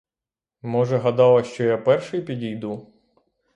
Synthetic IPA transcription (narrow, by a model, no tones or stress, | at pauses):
mɔʒɛɦɐd̪ɑlˠɐʃt͡ʃɔjapɛrʃɪjpʲidʲijd̪u